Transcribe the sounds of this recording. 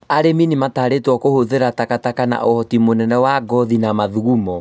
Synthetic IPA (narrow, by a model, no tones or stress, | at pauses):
aɾeminimataːɾetwɔkohoðeɾatakatakana̰ʔohɔtimonɛnɛwaɡɔðinamaðuɣumɔ